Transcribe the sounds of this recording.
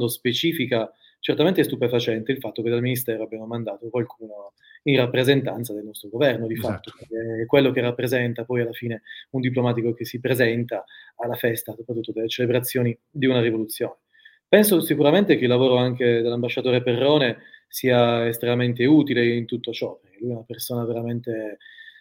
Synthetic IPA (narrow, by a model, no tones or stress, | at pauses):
d̪ospet͡ʃiːfika | t͡ʃert̪ament̪eɛst̪upefat͡ʃɛnt̪eilfat̪ːoked̪alminist̪ɛːɾoabjamomand̪aːt̪okwalkʰuːno | inrapːɾezent̪a̰nt̪sad̪elnɔst̪ɾoɡovɛrnod̪ifat̪ːokekːwelːokerːapːɾezɛnt̪apɔjalːafiːneund̪iplomaːt̪ikok̟esipɾezɛnt̪aːlːafɛst̪asopɾat̪ːut̪ːod̪elːet͡ʃelebɾat̪sːjoːni | d̪iunaɾivolut̪sːjoːne | pɛnsosikuɾament̪ek̟eilːavoːɾoaŋked̪elːambaʃːat̪oːɾeperːɔːnesiːaest̪ɾenament̪eut̪ileint̪ut̪ːot͡ʃɔperk̟elːujɛunapersoːnaveɾament̪e